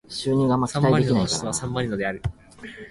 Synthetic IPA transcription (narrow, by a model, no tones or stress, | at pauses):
ɕɨːɲ̟ĩŋɡamatãːaiekinai̥asãmbaɾinod̪eaɾɯ̟